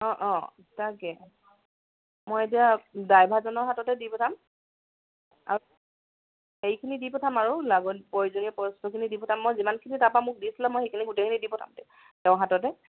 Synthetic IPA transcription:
ɔ̃ʔɔ̃ | takɛ | mojetijadajbʱazɔnɔɹɦatɔtɛdipɔtʰam | a̰ | xejkʰinidipɔtʰamaɹulaɡɔnpɔɹizoniɔpɔstɔkʰinidipɔtʰamːɔjzimankʰinitapamʊk̚disilamːojxejkʰiniɡutekʰinidipɔtʰa̰mtɛ | tɛʊ̃ɦatɔt̬ɛ

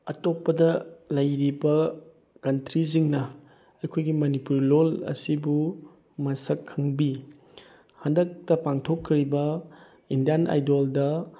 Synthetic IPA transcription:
ɐtopːɐdɐlɐjɾibɐ | kɐntɾiziŋnɐ | ɐjkʰojɡimɐnipuɾlolɐ̰sibu | mɐsɐkʰːɐŋbi | hɐndɐk̚tɐpaŋtʰokʰːiɾibɐ | indijanʔa̰jdoldɐ

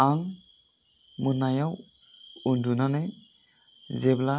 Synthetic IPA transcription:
aŋ | mɯnajaw | undunanɛ | zɛbla

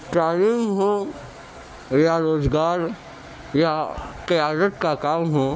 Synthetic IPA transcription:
ʈɾaːniŋɦõː | jaɾoːzɡaːɾ | jakəjaːd̪ət̪kakaːmɦõː

